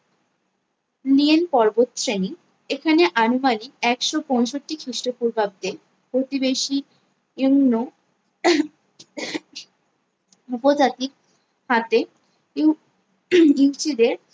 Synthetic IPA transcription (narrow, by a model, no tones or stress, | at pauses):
lienpɔɾbot̪sɾeni | ekʰaneʔanumanikɛkʃopɔ̃jʃoʈːikʰɾiʃʈopuɾbʱab̚d̪e | pɾot̪ibeʃi | eŋno | upod͡ʑat̪ik̚ | hat̪e | i | iwt͡ɕid̪eɾ